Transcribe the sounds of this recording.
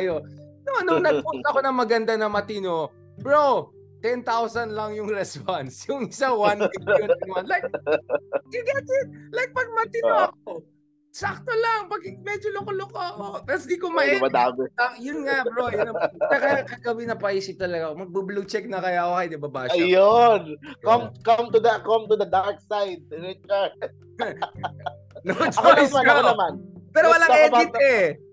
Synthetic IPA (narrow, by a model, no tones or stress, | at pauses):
ɐjononʊŋnɐɡ̚pʊnt̪ɐʔɐko̞nɐŋmɐɡɐnd̪anɐmɐt̪ɪno̞ | bɹo | t̪ɛnt̪awsɐnlɐŋjʊŋɾɛspansjʊŋɪsaŋwant̪ɪɡoɐŋwanlajk̚ | kɪɡad͡ʒɛt̪̚lajk̚pɐɡ̚mɐt̪ɪnoɐko | sak̚t̪olaŋpɐɡ̚kɪmɛd͡ʒolokolokoɐkot̪ɐɾsd̪ikomɐɛmɐd̪aːɡoɐjʊnŋabɾojnɐɛkɐjakɐɡɐbinɐpaisɪt̪ɐlɐɡamɐɡ̚bɐblut͡ʃɛk̚nɐkɐjakokɐjd̪ɪbabaːʃjonɐmkɐmt̪ud̪ɐkɐmt̪ud̪ɐd̪aɹk̚sajd̪̚ɹɪt͡ʃɛɹ | nod͡ʒɐmismɐɐnɐmanpɛːɾowwɐlaŋɐjaɪt̪ɛ